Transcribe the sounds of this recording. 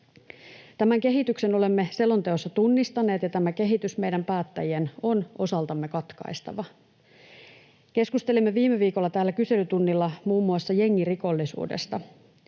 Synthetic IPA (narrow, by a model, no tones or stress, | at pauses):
t̪æmæŋke̞ɦit̪ykse̞no̞le̞mːe̞se̞lo̞nt̪e̞osːɑt̪unːist̪ɑne̞ːt̪jɑt̪æmæk̟e̞ɦit̪ysme̞jdæmpæːt̪ːæ̰jieno̞no̞̰sɑlt̪ɑmːe̞kɑt̪kɑ̰jst̪ɑ̰ʋɑ | k̟e̞skust̪e̞limːe̞ʋiːmeʋiːko̞lːɑt̪æːlːækyse̞lyt̪unːilːɑmuːmːuɑsːɑje̞ŋːiriko̞lːisṵːde̞̰st̪ɑ